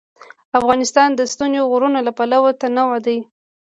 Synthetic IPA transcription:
afɣɑnɪst̪ɑnd̪əst̪unzoɣʊɾunolapalawat̪anawad̪aj

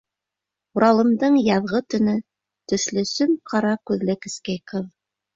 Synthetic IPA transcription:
uɾɑlˠɤ̆md̪ɤɴjɑðʁɤt̪ɵ̆nɵ | t̪ɵ̆ʃlɵ̆sɵmqɑɾɑkʉðlɘkɘ̆skejqɤð

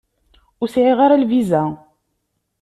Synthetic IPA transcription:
ʊsʕiʁaɾalvizæ

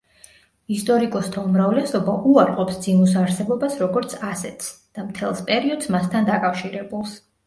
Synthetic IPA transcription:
ist̪ʼɔɾikʼɔst̪ʰaumɾavlɛsɔbaʔuaɾqʼɔpsd̪zimusaɾsɛbɔbasɾɔɡɔɾt̪sʰasɛt̪sd̪̥amt̪ʰɛlˠspʼɛɾiɔd̪smast̪ʰand̪akʼafʃiɾɛbulˠs

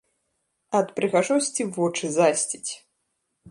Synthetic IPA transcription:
ɐt̪pɾɨɣaʐɔsʲt͡sʲivɔt͡ʂɨzasʲt͡sʲit͡sʲ

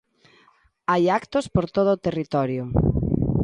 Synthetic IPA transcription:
ajakt̪ʊspoɾt̪oð̞ʊːt̪erit̪ɔɾjʊ

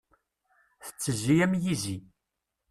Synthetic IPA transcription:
θə̥t͡sːəziæmjizi

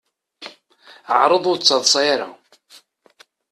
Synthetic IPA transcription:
ʕɾˤəðˤʊɾt͡sːɑðˤsˤɑjaɾa̰

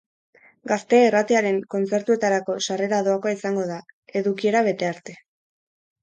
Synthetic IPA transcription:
ɡast̪e̞ːrat̪eaɾe̞ŋko̞nt͡se̞ɾt̪ue̞t̪aɾako̞sare̞ɾaðo̞akoaisaŋɡo̞ðae̞ðukie̞ɾaβe̞t̪e̞aɾt̪e̞

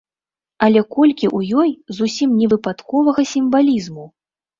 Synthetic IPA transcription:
ɐlʲɛkɔlʲkʲiʔujɔjzusʲimnʲɛvɨpat̪kɔvɐɣɐsʲimvalʲizmu

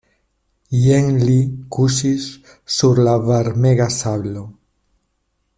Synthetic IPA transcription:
jeŋlikusisː | uɾlaβaɾmeɣasaβlo

